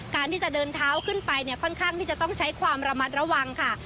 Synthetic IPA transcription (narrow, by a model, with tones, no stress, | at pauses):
kaː˧nt̪ʰiː˥˩t͡ɕa˨˩dɤː˧nt̪ʰaː˦˥wkʰɯ˥˩npa˧jni˥˩ɐkʰɔ˥˩nkʰaː˥˩ŋt̪ʰiː˥˩t͡ɕa˨˩t̪ɔ˥˩ŋt͡ɕʰa˦˥jkʰwaː˧mɾa˧ma˦˥t̪̚ɾa˧wa˧ŋkʰa˥˩